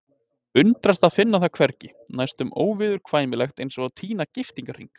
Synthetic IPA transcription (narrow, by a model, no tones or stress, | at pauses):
ʏnt̪ɾast̪aðfɪnːaθakʰvɛɾcɪ | najst̪ʏmo̰ːwvɪðʏɾ̥kʰvaːjmɪlɛxt̪ejnsɔɣaðt̪ʰiːnacɪft̪iŋkar̥ḭŋk